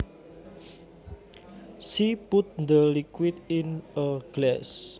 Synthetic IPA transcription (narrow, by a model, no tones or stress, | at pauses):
sipʊt̪̚nd̪əlikwɪt̪ɪnəɡ̥lɛs